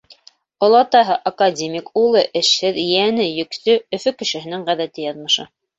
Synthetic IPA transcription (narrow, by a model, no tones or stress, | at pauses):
ŏlˠɑt̪ɑɦɤʔakadʲemʲikulˠɤʔɘ̆ʃhɘðjænɘjɵ̆ksɵɵ̆fɵkɘ̆ʃɘ̆ɦɘ̆nɘŋʁæðæt̪ɘjɑðmɤ̆ʃɤ